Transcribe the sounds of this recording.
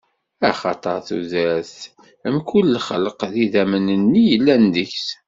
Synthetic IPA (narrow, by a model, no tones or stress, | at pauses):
æχɑt̪ˤəɾˤθuðæɾθ | əmkulːχə̰ləqðiðæmənənːijəlːænd̪əçs